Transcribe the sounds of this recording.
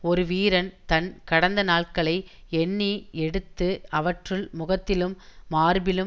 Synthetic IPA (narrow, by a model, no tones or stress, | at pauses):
ɔɾɯʋiːɾɐnt̪ɐnkɐɽɐnd̪ɐnaːɭkɐɭɐɪ | ɛɳːiɛɽɯt̪ːɯɐʋɐʈrɯɭmʊɣɐt̪ːɪlɯmːaːɾbɪlɯm